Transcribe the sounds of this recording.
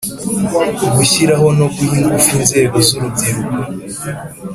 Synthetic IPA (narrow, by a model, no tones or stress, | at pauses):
ɡuçiɾaɦo̞no̞ɡujiŋɡufinze̞ːɡo̞zuɾubɟiɾuko